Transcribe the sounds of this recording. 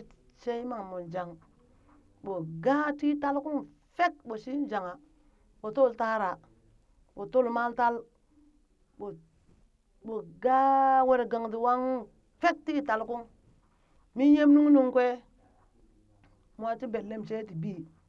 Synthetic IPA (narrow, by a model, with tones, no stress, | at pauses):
t͡ʃe˦i˦ma˨ŋmo˨nd͡ʒa˨ŋ | ɓo˨ɡa˦ti˦ta˦lku˦ŋ | fe˦t̚ɓo˨si˦d͡ʒa˨ŋa˨ | ɓo˨to˦˨lta˦ɾa˨ | ɓo˨to˦˨lma˦lta˦l | ɓo˨ | ɓo˨ɡa˦we˨ɾe˨ɡa˨ŋti˨wa˦ŋ | fe˦t̚ti˦ta˨lku˦ŋ | mi˦nje˦mnu˦ŋ˦nu˦ŋkwe˦ | mʷ˨a˨ti˦be˨lle˦mt͡ʃe˦t̬i˨bi˦˨